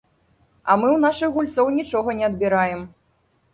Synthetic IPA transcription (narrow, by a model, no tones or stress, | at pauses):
ɐ̰mɨwnaʂɨxɣulʲt̪sɐwnʲit͡ʂɔɣɐnʲɛɐd̪bʲiɾajɛm